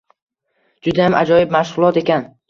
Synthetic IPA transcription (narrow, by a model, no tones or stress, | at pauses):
d͡ʒʊd̪ajamʔad͡ʒɒjɪbmaʃʁʊlˠɒt̪e̞kʲʰan